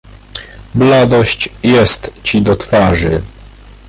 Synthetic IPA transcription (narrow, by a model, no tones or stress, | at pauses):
blad̪ɔɕt͡ɕjɛst̪t͡ɕid̪ɔt̪faʐɘ